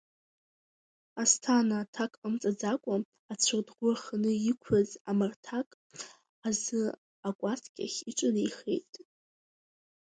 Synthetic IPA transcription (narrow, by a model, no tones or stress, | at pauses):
astʰanatʰakʼamt͡sʼad͡zakʷʼʊ | at͡sʷʰɨrdɡʷʊaχanɨikʷʰazamartʰakʼ | azɨ | akʷʼatʰɡʲʼa̰χʲiʈ͡ʂʷʼanaiχḛjtʼ